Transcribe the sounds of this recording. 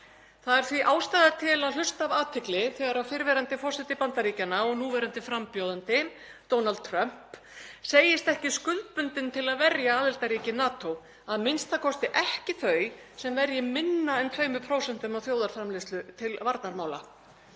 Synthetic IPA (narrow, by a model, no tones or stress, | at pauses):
θaðɛɾ̥θviʔaːwst̪aːðat̪ʰɪlaðl̥ʏst̪avaːt̪ʰɪklɪθɛɣaɾawfɪɾvɛɾant̪ɪfɔsɪt̪ɪpant̪aɾiːcanːaɔɣnuːvɛɾant̪ɪfɾampjowðant̪ɪ | d̪̥oːwnalt̪̚t̪ʰɾœm̥p | seːjɪst̪ɛhcɪskʏl̚pʏnt̪ɪnt̪ʰɪlaðvɛɾjaaːðɪlt̪aɾiːcɪnaːt̪ow | aðmɪnst̪θaðkʰɔst̪ɪʔɛhcɪθœːɥsɛmvɛɾjɪmɪnːaɛnt̪ʰvœːɥmʏpʰɾoːwsɛn̥t̪ʏmawθjoːwðaɾ̥fɾamlɪst̪lʏt̪ʰɪlvaɾt̪naɾmaːwla̰